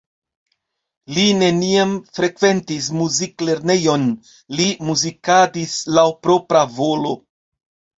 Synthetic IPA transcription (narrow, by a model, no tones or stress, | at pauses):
line̞niamfɾe̞kve̞ntis̬muzikle̞ɾne̞jo̞n | limuzikadislawpɾo̞pɾavo̞lo̞